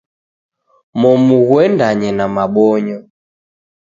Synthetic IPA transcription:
mɔmuɣwɛndaɲɛnamaɓɔɲɔ

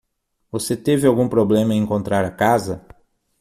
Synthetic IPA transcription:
voset̪evɪawɡũpɾoblẽmɐẽẽŋkõnt̪ɾaɾɐkazɐ

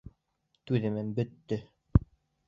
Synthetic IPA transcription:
t̪ʉðɘ̆mɘmbɵ̆t̪ːɵ

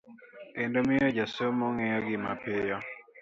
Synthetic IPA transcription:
kendomɪɔd͡ʒasomoŋejɔɡɪmapɪjɔ

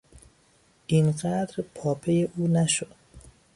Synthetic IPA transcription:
ʔinɢæd̪ɾpʰɒːpʰejeʔuːnæʃod̪̥

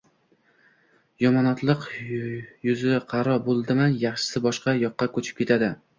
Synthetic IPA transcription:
jɒmɒnɒt̪lˠɨq | jʊzɪqʰɑɾɒbolˠd̪ɪmanjɑχʃɪ̥sɪbɒʃqɑjɒqːɑkʰɵt͡ʃʰɪ̥p̚kʲet̪ʰad̪ɪ

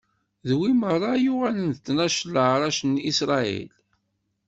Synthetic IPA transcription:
ðwimərˤːɑjʊʁælənt̪ːnæʃləʕɾˤɑʃnisɾˤɑḭl

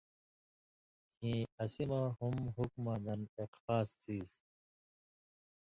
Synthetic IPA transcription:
kʰĩɐsimahumɦukmãːd̪ɐneqfaːst͡siːz

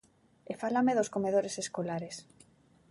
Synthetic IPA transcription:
efalameðoskomeðoɾeseskolaɾes

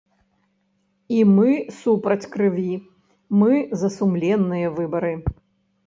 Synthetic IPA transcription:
imɨsupɾɐt͡sʲkɾɨvʲi | mɨzɐsumlʲɛnːɨjɐvɨbɐɾɨ

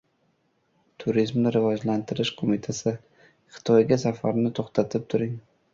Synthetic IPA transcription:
t̪ʰʊɾizmnɪɾɪvɒd͡ʒlant̪ʰɪɾɪʃqʰomɪt̪ʰasɪ | χɪ̥t̪ʰɒjɡʲasafaɾnɪt̪ʰoχt̪ʰat̪ʰɪp̚t̪ʰʊɾɪŋ

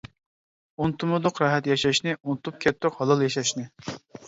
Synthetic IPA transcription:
unt̪umʊd̪ʊqɾɑɦɛt̪jɑʃɛʃnɪʔunɨt̪up̚kʲʰɛt̪ʰːʊqhɑlˠɑlˠjɑʃɑʃnɪ

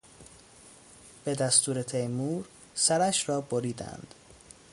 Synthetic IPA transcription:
b̥e̞d̪æst̪uːɾet̪ʰejmuːɾ | sæɾæʃɾɒːboɾiːd̪æ̰nd̪̥

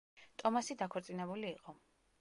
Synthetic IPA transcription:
t̪ʼɔmasid̪akʰɛɾt̪sʼinɛbuliːqʼɔ

